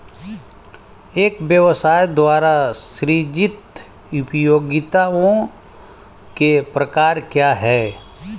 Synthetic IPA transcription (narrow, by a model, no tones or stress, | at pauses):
eːkbjəʋsaːjd̪waːɾaʃɾid͡ʒɪt̪ | ʊpjoːɡɪt̪aõ | kepɾəkaːɾkjaɦɛː